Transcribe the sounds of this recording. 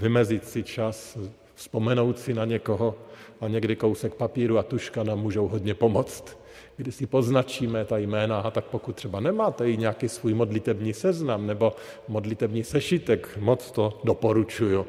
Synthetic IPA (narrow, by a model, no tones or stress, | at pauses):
vɪmɛzɪt̪sɪt͡ʃas | fspomɛno̞wt̪sɪnaɲɛkoɦoaɲɛɡdɪko̞wsɛkpapiːɾuat̪uʃkanaːmːuːʒowɦod̪ɲɛpomot͡st̪ | ɡdɪsɪpoznat͡ʃiːmɛt̪ajmɛːnaat̪ak̚pokut̪t̪ːr̥ɛbanɛmaːt̪ɛjɪɲɛakisvuːjmodlɪt̪ɛbɲiːsɛznamnɛbo̞ | modlɪt̪ɛbɲiːsɛʃit̪ɛkmot͡st̪odopoɾut͡ʃuju